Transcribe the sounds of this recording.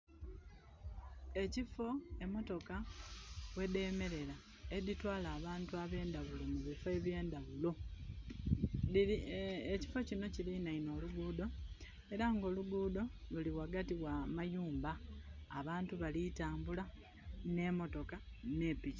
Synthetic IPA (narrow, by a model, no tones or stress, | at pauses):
e̞cifo̞e̞mo̞to̞ka | we̞de̞me̞ɾe̞la | editwaːlaːβaːntuaβe̞ːndaβulo̞muβifoe̞βje̞ːndaβulo̞ | eci̥fo̞cino̞cilinaino̞ːluɡuːdo̞ | e̞ɾaŋɡo̞ːluɡuːdo̞luliwaɡatiwamajuːmbaːβaːntuβalitaːmbula | ne̞mo̞to̞kane̞ːpici̥